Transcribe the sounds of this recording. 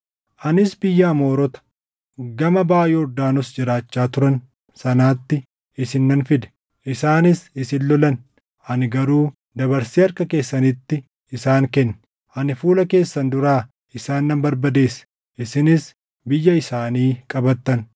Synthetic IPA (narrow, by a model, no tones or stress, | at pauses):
ʔɐnɪsbɪjːɐːmo̞ːɾɔt̪ɐ̥ | ɡɐmɐbaːjɛɔɾd̪aːnɔsd͡ʒɪɾaːt͡ʃːaːt̪ʊɾɐn | sɐnaːt̪ːɪ | ɪsɪnːɐnfɪd̪ɛ̥ | ʔɪsaːnɪsɪsɪnlɔlɐn | ʔɐnɪɡɐɾuː | d̪ɐbɐɾsiːɐɾkɐke̞ːsːɐnɪt̪ːɪ | ɪsaːŋkɛnːɪ | ʔɐnɪfuːlɐke̞ːsːɐnd̪ʊɾaː | ɪsaːnːɐmbɐɾbɐd̪e̞ːs | ɪsɪnɪs | bɪjːɐɪsaːniːkʼɐbɐt̪ːɐn